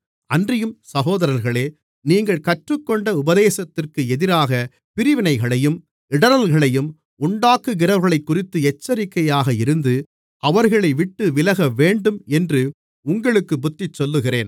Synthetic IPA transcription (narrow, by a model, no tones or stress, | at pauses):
ɐndrɪjɯmsɐɣoːðɐɾɐɾɣɐɭeː | niːŋɡɐɭkɐʈrɯkːɔɳɖɐʊbɐðeːsɐt̪ːɪrkɯɛðɪɾaːɣɐ | pɪɾɪʋɪnɐɪɣɐɭɐjɯm | ɪɽɐɾɐlɣɐɭɐjɯm | ʊɳɖaːkːɯɣɪɾɐɾɣɐɭɐɪkːʊrɪt̪ːɯɛt͡ʃːɐɾɪkːɐjaːɣɐɪɾɯnd̪ɯ | ʔɐʋɐɾɣɐɭɐɪʋɪʈːɯʋɪlɐɣɐʋeːɳɖɯmɛndrɯ | ʊŋɡɐɭɯkːɯbʊt̪ːɪt͡ʃːɔlːɯɣɪreːn